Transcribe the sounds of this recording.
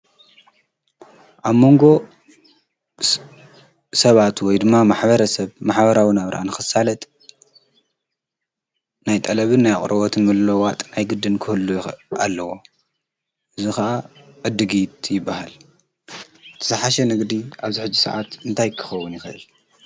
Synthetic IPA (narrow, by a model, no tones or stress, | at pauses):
ʔaβmo̞ŋɡo̞ | sɐβat̪wɔjd̪ɨmːamaħβɐɾɐsɐβmaħβɐɾawinaβɾʔa̰nɨxɨsːalɐt̪ʼ | najt̪ʼɐlɐβɨnːajkʼɾʔɐβot̪ʰɨnɨlːowat̪ʼnajɡɨd̪ɨnkʰɨhɨlːujxa̰lːɐwo̞ | ʔɨzuxɐʔa | ʕɨd̪ːɨɡit̪jɪbːahal | t̪ʰɐ̥sɐħaʃɐnɨɡd̪iʔaβziħɨd͡ʒːisɐ̰ʕat̪ɨnt̪ʰajkʰɨ̥xɐwːunjɪxɐʔɨl